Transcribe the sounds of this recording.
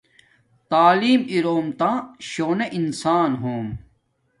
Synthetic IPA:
t̪aːliːmiɾoːmt̪ãːɕoːneʔinsaːnɦoːm

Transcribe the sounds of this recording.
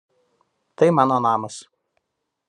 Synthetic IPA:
t̪ɐɪmɑːnoːnɑːmɐs

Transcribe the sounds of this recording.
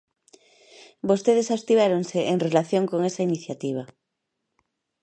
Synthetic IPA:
bost̪eð̞esast̪iβ̞aɾonseʔeŋrelaθjõŋkoŋesainiθjat̪iβ̞a

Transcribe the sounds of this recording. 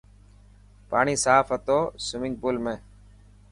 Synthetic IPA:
paːɳiːsaːfɦət̪oːsʊmɪ̃ŋɡ̚buːlmẽː

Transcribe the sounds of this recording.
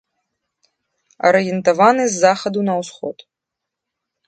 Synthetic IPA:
ɐ̰ɾɨjɛnt̪avanɨzːaxɐd̪unɐwsxɔt̪

